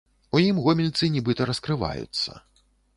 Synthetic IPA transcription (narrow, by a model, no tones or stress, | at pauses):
ujimɣɔmʲilʲt̪sɨnʲibɨt̪ɐɾɐskɾɨva̰jṵt̪sːɐ̰